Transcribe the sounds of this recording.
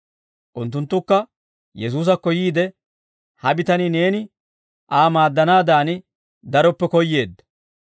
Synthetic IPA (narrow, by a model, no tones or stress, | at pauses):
ʔʊnt̪ːʊnt̪ːʊkːɐ | jɛs̬uːs̬ɐkːɔjiːd̪ɛ | hɐbɪt̪ɐnɪne̞ːnɪ | ʔaːmaːd̪ːɐnaːd̪aːnɪ | d̪ɐɾɔpːɛkɔjːe̞ːd̪ːɐ̥